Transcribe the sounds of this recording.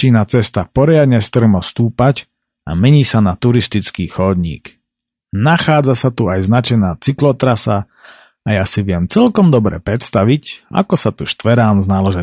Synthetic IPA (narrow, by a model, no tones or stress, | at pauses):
inat͡sɛst̪apɔɾɪad̪ɲɛst̪r̩mɔst̪uːpac | a̰mɛɲiːsanat̪uɾist̪it͡skiːxɔd̪ɲḭːk | naxaːd͡zasat̪uajznat͡ʃɛnaːt͡siklɔt̪ɾasaː | jasiʋɪɛmt͡sɛlkɔmd̪ɔbɾɛ̰ːpɾɛt̪st̪aʋica̰kɔsat̪uʃt̪ʋɛɾaːnznalɔʒɛ